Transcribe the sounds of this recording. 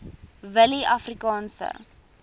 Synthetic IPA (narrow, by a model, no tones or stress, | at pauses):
vəliʔɐfrikɑːnsə̰